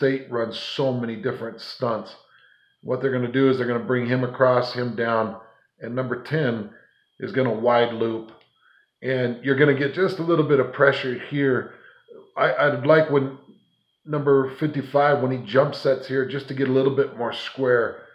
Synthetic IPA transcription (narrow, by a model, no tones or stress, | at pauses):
teɪt̚ɹʌ̃nz̥soʊmɛñidɪfɹɨ̃ntstʌ̃nts | wʌt̪̚ðə˞ɡʌnɨdɨːzðə˞ɡʌnəbɹɪ̃ŋɨ̃məkʰɹ̥ɔshɨ̃mdãʊ̃n | ɨ̃nːʌ̃mbə˞tʰɛ̃n | ɨ̰zɡʌñəwaɪdˡlup | ʔɨ̃njə˞ɡʌñɨɡɛt̚d̥ʒ̥ʌstəlɪɾl̩ˠbɪɾʌv̥pʰɹ̥ɛʃə˞hiɹ | aɪʔaɪwdˡlaɪkwə̃nː | ʌ̃mbə˞fɪftifaɪvwə̃nid͡ʒʌ̃mpsɛtshiɹd͡ʒʌstʰɨɡɛɾəlɪɾl̩ˠbɪt̚mɔɹskwɛɹ